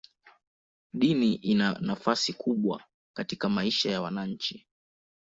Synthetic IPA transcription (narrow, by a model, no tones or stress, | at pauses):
ɗiniʔinanafasikʰuɓwa̰ | katikamaiʃajawanaɲ̩t͡ʃi